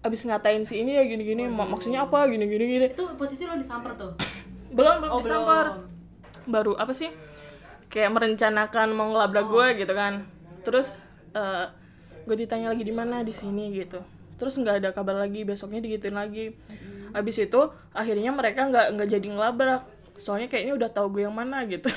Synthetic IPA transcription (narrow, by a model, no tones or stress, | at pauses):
abɪsŋat̪aɪnsiːnijaɡiniɡinimaksut̪̚ɲaːpaɡiniɡiniɡinit̪uposisilodisampət̪ʊbəlʊmbəliaər | baɾuʔapasɪh | kajaʔməɾəɲt͡ʃanakanmaŋəlabɾakɡuɛɡit̪ukan | t̪əɾʊs | əː | ɡuɛdit̪aɲalaɡidimanadisiniɡit̪u | t̪əɾʊsŋɡaːdakabarlaɡibesɔk̚ɲadiɡit̪ɪnlaɡiabɪsit̪u | aɦirɲaməɾekaŋɡaʔŋɡaʔd͡ʒadiŋəlabɾak̚ | soalɲakajaʔiniudaht̪auɡuɛjaŋmanaɡit̪u